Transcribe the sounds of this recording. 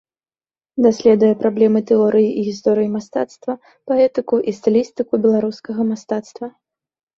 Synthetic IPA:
d̪asʲlʲɛd̪ujɛpɾablʲɛmɨt̪ɛɔɾɨjiʔiɣʲist̪ɔɾɨjimast̪a̰t̪st̪vɐ | paɛt̪ɨkuʔist̪ɨlʲist̪ɨkubʲɛlˠaɾuskɐɣɐmast̪at̪st̪vɐ

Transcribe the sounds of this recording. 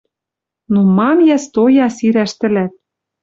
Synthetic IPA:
numɑmjæst̪ojɑsiɾæʃt̪ɘ̆læt̪̚

